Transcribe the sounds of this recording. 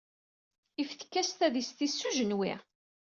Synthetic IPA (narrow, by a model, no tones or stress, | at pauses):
ifθə̥kːæst̪æðist̪isːuʒənwḭʁ